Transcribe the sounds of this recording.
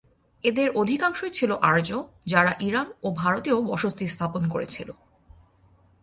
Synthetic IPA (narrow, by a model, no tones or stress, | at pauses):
ed̪eɾʔod̪ʱikaŋʃoet͡ɕʰiloʔaɾd͡ʑo | d͡ʑaɾaʔiɾanobʱaɾot̪eobɔʃost̪ist̪ʰaponkoɾḛt͡ɕʰilo